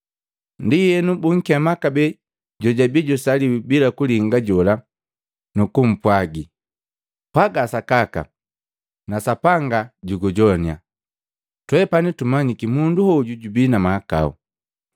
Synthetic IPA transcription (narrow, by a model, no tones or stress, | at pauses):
ndijɛnubuŋ̩kiɛmakabɛ | ɟɔɟabiɟɔsaliwibilakuliŋɡaɟɔla | nukum̩pwaɡi | paɡasakaka̰ | nasapaŋɡaɟuɡɔɟɔnia̰ | twɛpanitumaɲikimunduhɔɟuɟubinamaaka̰ṵ